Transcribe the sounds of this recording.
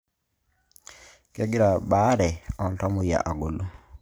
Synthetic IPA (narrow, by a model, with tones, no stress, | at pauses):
kɛ˦ɡɪ˦ɾa˨ba˨˦ɾɛ˨ɔ˨n˨tɔ˦mo˨ja̰˨ʔa˨ɡo˨lo˦